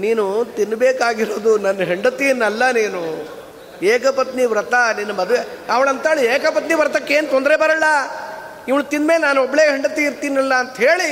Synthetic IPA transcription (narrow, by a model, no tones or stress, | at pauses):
niːnut̪inːbeːkaːɡiɾo̞ːd̪unɐnːɐɦeɳɖɐt̪ijnːɐlːɐniːnu | eːkɐpɐt̪niʋɾɐt̪ɐninːɐmɐd̪ʋeɐʋɐɭɐnt̪aːɭieːkɐpɐt̪niʋɾɐt̪ɐkːeːnut̪ɔnd̪ɾeːbɐɾɐlːɐ | iʋɐɭut̪inːmeːlnaːnɔbːɐɭeːɦeɳɖɐt̪iiɾt̪iːnːɐlːɐːnt̪ɐɦeːɭi